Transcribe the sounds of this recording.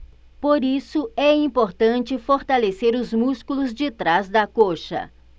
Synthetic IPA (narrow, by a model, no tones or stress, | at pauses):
poɾisʊɛĩpoɾt̪ɐ̃t͡ʃɪfoɾt̪aleseɾʊzmuskulʊzd͡ʒɪt̪ɾazd̪ɐkoʃɐ̰